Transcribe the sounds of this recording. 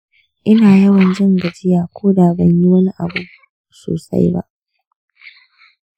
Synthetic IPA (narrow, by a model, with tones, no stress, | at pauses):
ʔɪ˦naː˨jɐ˦wɐ˨nd͡ʒɐ˦˨ŋɡɐ˨d͡ʒɪ˦jaː˨kʷoː˦daː˨bɐ˦˨ɲji˦wɐ˦ni˦ʔa˨buː˦ | so̰ː˨sa̰˦jba̰˦ʔ